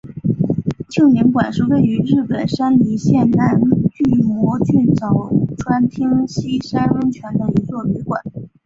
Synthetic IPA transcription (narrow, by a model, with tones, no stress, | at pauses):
t͡ɕʰjo˥˩ŋnɛ˧˥nkwa˨˩nʂɻ̩˥˧we˥˩ɪy˧˥ɻɻ̩˥˩pə˨˩nʂa˥nli˧˥ɕjɛ˥˩nna˧˥nt͡ɕy˥˩wɔ˧˥t͡ɕy˥˩nt͡sɑ˨˩ʊʈ͡ʂʰwa˥nt̪ʰi˥ŋɕi˥ʂa˥nə˥nt͡ɕʰɥɛ˧˥nd̪ə˧i˧˥t͡swɔ˥˩li˧˥kwa̰˨˩˦n